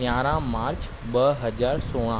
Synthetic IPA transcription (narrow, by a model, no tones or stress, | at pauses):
jãːɾãmaːɾt͡ʃ | ɓəɦəd͡ʒaːɾsoːɽ̃ãː